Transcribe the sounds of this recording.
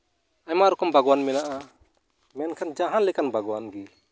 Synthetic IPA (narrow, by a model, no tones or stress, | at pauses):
amaɾɔkɔmbaɡɔwanmɛnaʔa | mɛnkʰand͡ʒaɦanlɛkanbaɡɔwanɡi